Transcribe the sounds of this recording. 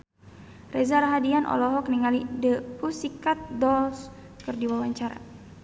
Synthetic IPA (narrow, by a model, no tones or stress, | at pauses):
rʔɛzaɾaɦadianʔɔ̰lɔɦɔkniŋalidəpusikat̪̚dɔls | kɨrdiwawaɲt͡ʃaɾa̰